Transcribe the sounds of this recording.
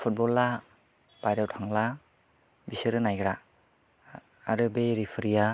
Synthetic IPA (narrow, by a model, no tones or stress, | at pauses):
pʰut̚bɔlːa | b̥ajɾawtʰaŋla | bisɯɾɯnajɡɾa | ɾɯbejɾipʰɯɾija